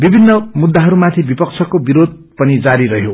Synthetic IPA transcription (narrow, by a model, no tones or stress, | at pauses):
bibʱinːʌmud̪ːaɦʌɾumat̪ʰibipʌk̚t͡sʰʌkobiɾod̪̚ | pʌnid͡zaɾiɾʌɦjo